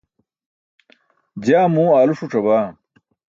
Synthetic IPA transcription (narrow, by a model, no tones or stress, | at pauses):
d͡ʑaːmũːaːluʂuʈ͡ʂɐbaː